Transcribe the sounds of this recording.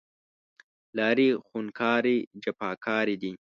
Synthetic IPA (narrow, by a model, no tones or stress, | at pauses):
laːɾixunkʰaːɾid͡ʒɐpaːkʰaːɾid̪i